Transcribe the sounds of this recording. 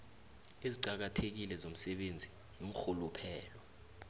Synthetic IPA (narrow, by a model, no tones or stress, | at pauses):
eziǀak̬atʰek̬ilɛzom̩sɛɓend͡zʱi | joŋ̩xulupʰɛːlɔ